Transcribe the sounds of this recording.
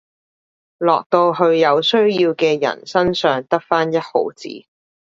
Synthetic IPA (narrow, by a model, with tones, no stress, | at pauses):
lɔː˨k̚t̪o˧wɦɵ˧ɥjɐ˨˧wsɵ˥ɥjiː˧wkɛː˧jɐ̰˨˩nsɐ˥nsœː˨ŋt̪ɐ˥k̚faː˥njɐ˥t̚ho̰˨˧˥wt͡sḭː˨˥